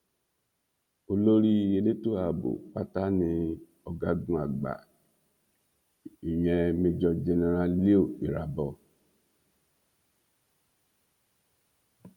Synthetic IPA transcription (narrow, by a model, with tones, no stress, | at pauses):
o˨lo˦ɾi˦˨e˨le˦tu˦a˨bo̰˨k͡pa˦ta˦nĩ˧ | ɔ˨ɡa˨ɡũ˦a˨ɡ͡ba̰˨ | i˨jɛ˧mi˧d͡ʒɔ˧d͡ʒɛ˧ne˨ɾa˦li˦o˨i˨ɾa˨bɔ˧